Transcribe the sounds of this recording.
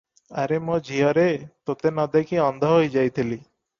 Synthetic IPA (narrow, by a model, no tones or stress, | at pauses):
aɾemod͡ʒʱiɔɾet̪ot̪enɔd̪ekiɔnd̪ʱɔɦojd͡ʒajt̪ʰili